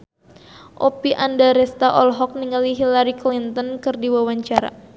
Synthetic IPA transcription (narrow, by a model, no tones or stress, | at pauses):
ʔopiʔandaɾɛst̪aʔɔlɦɔk̚niŋaliɦilaɾiklint̪ɔnkɨrdiwawaɲt͡ʃaɾa̰